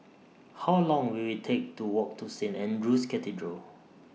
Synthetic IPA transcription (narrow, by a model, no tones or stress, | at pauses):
hawlɔ̃ŋwiwitʰek̚tuwɔk̚tʰusẽnɛ̃ndɹuskɛtidɹə